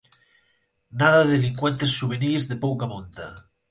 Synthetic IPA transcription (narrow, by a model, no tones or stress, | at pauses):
naðaðeliŋkwent̪esːuβenizðepowkamõnt̪a